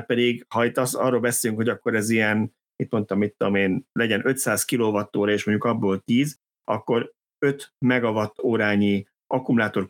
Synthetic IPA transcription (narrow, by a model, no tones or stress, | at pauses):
pɛd̪iɡhɒit̪ːɒsɒ̰rːoːlbɛseːlyŋkho̞ɟɒkːo̞ɾɛzijɛn | it̪mo̞nt̪ɒmːit̪ːud̪omeːnlɛɟɛnʔø̞t̪saːskiloːvɒt̪ːoːɾɒeːʃmoɲɟukɒbːoːlt̪iːz | ɒ̰kːo̞ɾ | ø̞t̪mɛɡɒvɒt̪ːoːɾaːɲi | ʔɒkumulaːt̪o̞r